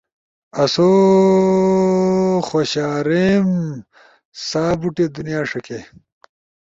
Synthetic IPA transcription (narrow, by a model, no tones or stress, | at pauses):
ɐso | xoːɕaːɾem | saːbuʈed̪unijaːʂɐke